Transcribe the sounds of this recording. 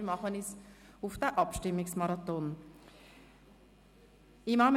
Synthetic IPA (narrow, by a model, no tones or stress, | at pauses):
mɑχənis | ʊfd̪̥ɛʔɑpʃtɪmːɪksmɑɾɑt̪ɔn | imɑm